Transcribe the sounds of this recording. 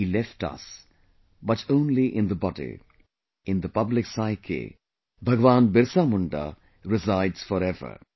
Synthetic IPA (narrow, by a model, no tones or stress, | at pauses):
iːlɛfʈʌ̰s | bʌʈʰõːnliʔɪ̃nd̪əbɔdḭ | ɪ̃nd̪əpʌblɪksaɪkʰḛ | bʱɐɡʋãːnbɪɾsaːmuɳɖa̰ | ɾɪzaɪɖsfɔɾɛʋə̰ɾ